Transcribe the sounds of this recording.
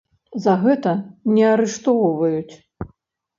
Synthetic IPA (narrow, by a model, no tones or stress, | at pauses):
zɐɣɛt̪ɐnʲɛaɾɛʂt̪ɔvɔwvɐjut͡sʲ